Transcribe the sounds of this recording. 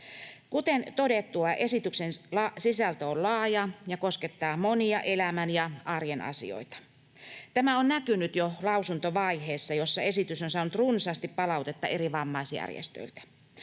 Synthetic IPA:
kut̪ent̪odet̪ːuɑʔesit̪yksenlɑsisælt̪æollɑːjɑjɑkosket̪ːɑːmoniɑʔelæmænjɑʔɑrjenɑ̰sḭo̰it̪ɑ̥ | t̪æmæonnækynyt̪jolɑusunt̪oʋɑiheːsːɑjosːɑesit̪ysonsɑːnut̪runsɑːst̪ippɑlɑut̪et̪ːɑeɾiʋɑmːɑisiæ̰rjḛst̪ø̰ilt̪æ̥

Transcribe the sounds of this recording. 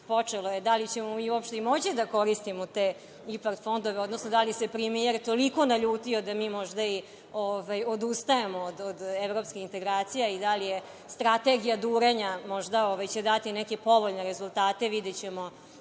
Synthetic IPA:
po̞t͡ʂelojed̪alit͡ɕemomiːuopʃt̪eimo̞t͡ɕid̪ako̞ɾist̪imot̪e | ipaɾt̪fo̞nd̪oʋeo̞d̪nosnod̪alijese̞pɾemieɾt̪oliko̞naʎuːt̪io̞d̪amiːmo̞ʒd̪ai | ovajod̪ust̪aemo̞ːd̪od̪evɾo̞pskʲixint̪e̞ɡɾaːt̪sijaid̪alije | st̪ɾat̪e̞ɡijad̪uːɾeɲamoʒd̪aoʋajt͡ɕe̞d̪at̪inɛke̞po̞ʋo̞ʎneɾezulˠt̪aːt̪e̞ʋid̪et͡ɕe̞mo̞

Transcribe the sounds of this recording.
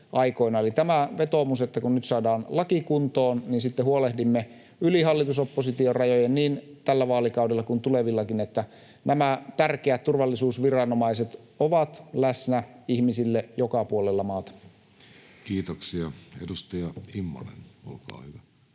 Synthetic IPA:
ʔɑiko̞inɑolit̪æmæʋet̪omuset̪ːækunnyt̪sɑːdɑːnlɑkikunt̪oːnniːnsit̪ːehuolehdimːe | yliɦɑlːit̪usopːosit̪iorɑjojenniːnt̪ælːæʋɑːlikɑudelːɑkunt̪uleʋilːɑkinet̪ːæ | næmæt̪ærkeæt̪t̪urʋɑlːisuːsʋirɑnomɑiset̪ | oʋɑt̪læsnæihmisilːejokɑpuolelːɑmɑːt̪ɑ̥ | kiːt̪oksiɑedust̪ɑjɑimːɑ̰nḛnolkɑ̰ːhyʋæ

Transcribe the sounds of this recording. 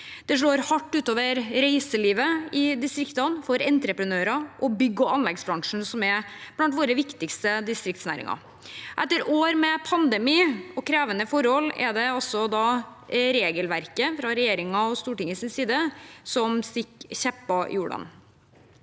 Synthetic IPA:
d̪̥ɛʂ̬ɭoːɾhɑʈːʉːt̪oːʋəɾɾæɪsəliːʋəɪd̪ɪst̪ɾɪkt̪ɑnfɔɾɛnt̪ɾəpɾənøːɾɑʔɔbʏɡːɔɑnlɛɡsbɾɑŋʂɳ̩sɔmɛ | b̥lɑnt̪ʋoːɾəʋɪkt̪ɪkst̪əd̪ɪst̪ɾɪkt̪snæ̰ːɾɪ̰ŋɑ̰ | ʔɛt̪ːəɾoːɾmɛpʰɑnd̪ɛmiːɔkʰɾeːʋənəfɔɾhɔlːɛ̰d̪ɛɔsɔd̪ɑ | ɾeːɡəlʋæɾkəfɾɑɾɛjeːɾɪŋɑɔst̪uːʈɪŋːəsɪnsiːd̪əsɔmst̪ɪkːçɛpːɑ̰juːɖɑ̰n

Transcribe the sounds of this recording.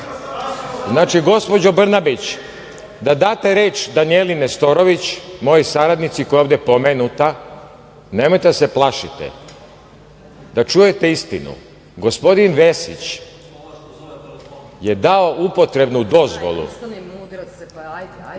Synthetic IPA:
znaːt͡ʃiɡo̞spo̞d͡ʑo̞br̩nabit͡ɕ | d̪ad̪aːt̪e̞ɾeːt͡ʃd̪anijelinest̪o̞ɾo̞ʋit͡ɕmo̞josaɾad̪nit̪siko̞joːvd̪epo̞meːnut̪a | nemo̞jt̪ed̪aseplˠaʃit̪ḛ | d̪at͡ʃujet̪eist̪inṵ | ɡo̞spo̞d̪inʋe̞sḭt͡ɕ | je̞d̪ao̞ʔupo̞t̪ɾe̞bnud̪o̞zʋo̰lˠṵ

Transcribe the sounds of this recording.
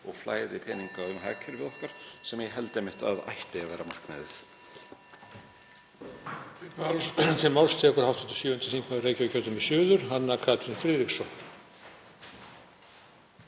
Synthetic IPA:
ɔɣfla̰ːjðɪpʰɛːniŋkaðʏnɦa̰ːkʰɛɾvɪðɔhkaɾ̥sɛmjɛɦɛlt̪ejmɪht̪a̰ða̰jht̪ɪavɛːɾamar̥knɛ̰ðɪ̰θ | t̪ʰɪlmawlst̪ʰɛːkʏɾ̥hawft̪ʰʏnt̪ʏ̥sʏːʏʏnt̪ɪ̥θiŋkmaɾreːjcvʏcʰœːt̪ʏnmɛsjʏːðʏɾ̥ɦanːakʰaːt̪ɾɪnfɾiːɾiksɔ

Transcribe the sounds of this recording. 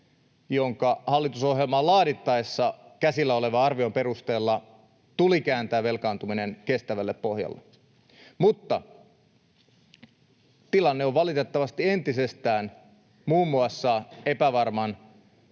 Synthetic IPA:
joŋkɑhɑlːit̪uso̞ɦjelmɑlɑːɾit̪ːɑesːɑkæsilːæole̞ʋɑɑrʋiompe̞rust̪e̞ːlːɑ | t̪ulikæːnt̪æːʋe̞lkɑːnt̪umine̞nke̞st̪æʋælːeppo̞hjɑ̰lːe | mut̪ːɑ | t̪ilɑnːeoʋʋɑlit̪et̪ːɑʋɑst̪ie̞nt̪isest̪æːn | muːmːuɑsːɑepæʋɑrmɑn

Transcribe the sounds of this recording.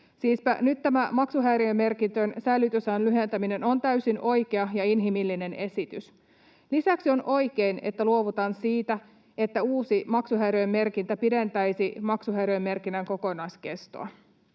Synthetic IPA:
siːspæ̰nyt̪tːæmæmɑksuɦæjɾejemːe̞rkint̪ønsæjlːyt̪ysænlyɦe̞nt̪æmine̞nont̪æysino̞jkeɑjɑinɦimilːine̞ne̞sit̪ys | lisæksio̞nʔo̞jke̞ine̞̰t̪ːæluoʋut̪ɑnsiːt̪æ | e̞t̪ːæuːsimɑksuɦæjɾøjemːe̞rkint̪æpide̞nt̪æjsimɑksuɦæjɾøjemːe̞rkinːæŋko̞ko̞nɑiske̞st̪o̰ɑ

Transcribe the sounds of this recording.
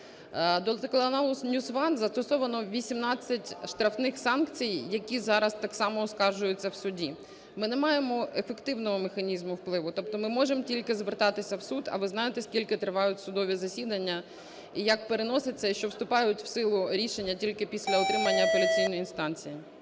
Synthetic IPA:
d̪ɔlˠt̪klˠɐnɑlˠʊsnʲusʋɑnzɐst̪ɔsɔʋɐnɔʋʲisʲimnɑt͡sʲːɐtʲʃt̪ɾɐfnɪxsɑnkt͡sʲijːɐkʲizɑɾɐst̪ɑksɑmɔɔskɑrʒʊjʊt͡sʲːɐwsʊdʲi | mɪnɛmɑjemɔefekt̪ɪwnɔɦɔmexɐnʲizmʊwplˠɪʋʊt̪ɔp̚t̪ɔmɪmɔʒemtʲilʲkɪzʋert̪ɑt̪ɪsʲɐwsud̪ɐ̰ʋɪznɑjet̪ɛskʲilʲkɪt̪ɾɪʋɑjʊtʲsʊd̪ɔʋʲizɐsʲid̪ɐnʲːɐ | ijɐk̚peɾenɔsɪt͡sʲːɐiʃt͡ʃɔwst̪ʊpɑjʊtʲw̥sɪlˠʊɾʲiʃenʲːɐtʲilʲkɪpʲisʲlʲɐɔt̪ɾɪmɐnʲːɐpɔlʲit͡sʲijnɔjinst̪ɑnt͡sʲiji

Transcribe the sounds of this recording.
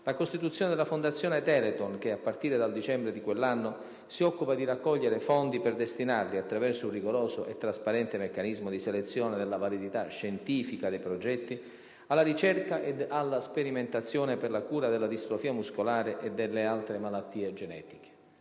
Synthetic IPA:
lakost̪it̪ut̪sːjoːned̪elafond̪at̪sːjɔːnet̪ɛlet̪onk̟eapːart̪iːɾed̪ald̪it͡ʃɛmbɾed̪ikwelːanːo | siɔkːupad̪iɾakːɔʎːeɾefɔnd̪iperd̪est̪inarliat̪ːɾavɛrsouriɡoɾoːzoʔet̪ːɾaspaɾɛnt̪emekːanizmod̪iselet̪sːjoːned̪elːavalid̪it̪aʃːent̪iːfikad̪ejpɾod͡ʒɛt̪ːi | alːaɾit͡ʃɛrkaʔed̪alːaspeɾiment̪at̪sːjoːneperlakuːɾad̪elːad̪ist̪ɾofiːamuskolaːɾeʔed̪ːelːealt̪ɾemalat̪ːiːed͡ʒenɛ̰ːt̪i̥ke̥

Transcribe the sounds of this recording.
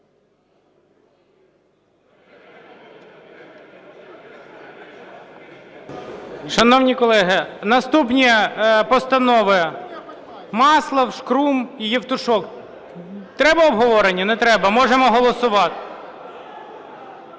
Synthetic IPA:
ʃɐnɔwnʲikɔlˠɛɦɪnɐst̪upnʲipɔst̪ɐnɔʋɪ | mɑslˠɐwʃkɾumijiwt̪ʊʃɔk | t̪ɾɛbɐɔbɦɔʋɔɾenʲːɐnɛt̪ɾɛbɐmɔʒemɔɦɔlˠɔsʊʋɑt̪ɪ̥

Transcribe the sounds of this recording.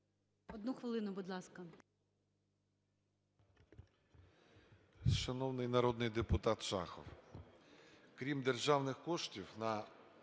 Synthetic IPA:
ɔd̪nuxʋɪlˠɪnʊbʊd̪lˠɑskɐ | ʃɐnɔwnɪjnɐɾɔd̪nɪjd̪epʊt̪ɑt̪ʃɑ̰xɔ̰w | kɾʲimd̪erʒɑwnɪxkɔʃtʲiwnɐ

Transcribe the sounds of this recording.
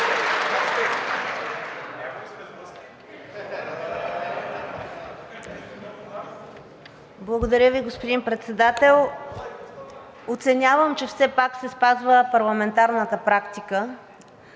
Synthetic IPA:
blˠɐɡod̪ɐɾʲəviɡospod̪inpɾɛt̪sɛd̪at̪ɛlˠ | ot̪sɛnʲavəmt͡ʃɛfsɛpaksɛspazvəpɐɾlˠɐmɛnt̪aɾnət̪əpɾakt̪ikə

